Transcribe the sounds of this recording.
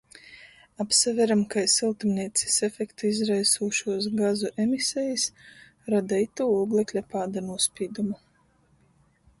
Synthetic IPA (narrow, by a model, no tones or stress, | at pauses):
apsavʲɛɾamkajsilˠt̪umniɛt̪si̥sɛfɛkt̪uizɾajsuːʃuɔsɡazuʔemisɛjis | ɾad̪ait̪uːuːɡlˠɛklʲapaːd̪anuɔspʲiːd̪umu